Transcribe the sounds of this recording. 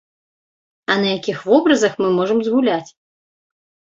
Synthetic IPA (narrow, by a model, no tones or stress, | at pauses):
ɐnɐjakʲixvɔbɾɐzɐxmɨmɔʐɐmzɣulʲat͡sʲ